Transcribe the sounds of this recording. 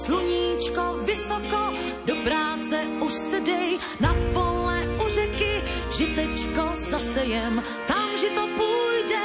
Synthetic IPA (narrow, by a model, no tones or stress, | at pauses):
sluɲiːt͡ʃkovɪsoko | dopɾaːt͡sɛʔuʃsɛdɛj | napolɛurɛkɪ | ʒɪt̪ɛt͡ʃkozasɛjɛm | t̪amʒɛt̪opujdɛ